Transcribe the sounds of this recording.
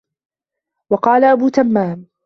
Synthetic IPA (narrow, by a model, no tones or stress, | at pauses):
wɑqɑːlaʔabuːt̪amːaːm